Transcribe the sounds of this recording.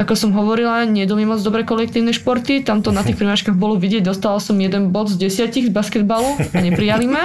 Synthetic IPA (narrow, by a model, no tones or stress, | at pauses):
akɔsɔmɦɔʋɔɾilaɲɪɛd̪umimɔd͡zd̪ɔbɾɛːkɔlɛk̚t̪iːʊnɛʃpɔɾt̪it̪amt̪ɔnat̪ixpɾimat͡ʃkaɣbɔlɔʋiɟɪɛɟ̚d̪ɔst̪aʋalsɔmjɛd̪ɛnbɔd̪zɟɛsɪaciɣzbaskɛd̪̚baluaɲɛpɾijalimɛ